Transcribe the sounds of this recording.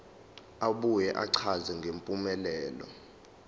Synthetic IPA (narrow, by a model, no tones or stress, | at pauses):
aɓujɛʔaǀʰazɛŋɡʱempʼumɛlɛːlɔ̰